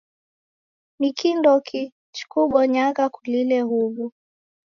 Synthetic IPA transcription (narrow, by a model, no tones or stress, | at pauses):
mikindɔkʰi | t͡ʃu̥kuɓɔɲakakulilɛhuvu